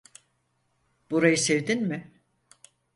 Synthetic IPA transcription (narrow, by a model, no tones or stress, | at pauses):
b̥uɾajɯsevd̪inmɪ